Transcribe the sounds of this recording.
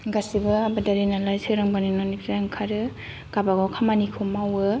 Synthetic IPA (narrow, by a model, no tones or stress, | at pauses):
ɡasibɯabadaɾenalajsʰɯɾaŋbaninɔniptɾaŋkʰaɾɯ | ɡ̥abaɡawkʰamanikʰɯmawɯ